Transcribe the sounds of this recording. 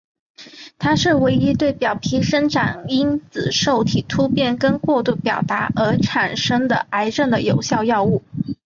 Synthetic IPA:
t̪ʰa˥ʂɻ̩˥˩we˧˥ɪi˥t̪we˥˩ɪpjɑ˨˩ʊpʰi˧˥ʂə˥ŋʈ͡ʂʰa˨˩ni˥nt͡sɹ̩˨˩ʂo˥˩ʊt̪ʰi˨˩t̪ʰu˥pjɛ˥˩nkə˥nkwɔ˥˧t̪u˥˩pjɑ˨˩ʊt̪a˧˥ə˞˧˥ʈ͡ʂʰa˨˩nʂɤ˥ŋd̪ə˨a˧˥ɪʈ͡ʂə˥˩nd̪ə˩jo˨˩ʊɕjɑ˥˧ʊjɑ˥˧ʊu˥˩

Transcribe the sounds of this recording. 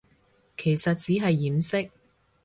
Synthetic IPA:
kʰe˨˩jsɐ˨t̚t͡siː˨˥ɦɐ˨jːiː˨msɪ˥k̚

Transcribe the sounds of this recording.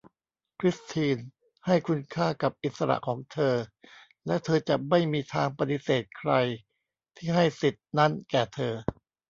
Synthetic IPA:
kʰɾi˦˥st̪ʰiː˧n | ha˥˩jkʰu˧nkʰaː˥˩ka˨˩p̚ʔi˨˩t̪̚sa˧ɾa̰˨˩ʔkʰɔː˩˦ŋt̪ʰɤː˧ | lɛː˦˥wt̪ʰɤː˧t͡ɕa˨˩ma˥˩jmiː˧t̪ʰaː˧ŋpa˧t̪i˨˩seː˨˩t̪̚kʰɾa˧j | t̪ʰiː˥˩ɦa˥˩jsi˨˩t̪̚na˦˥nkɛː˨˩t̪ʰɤː˧

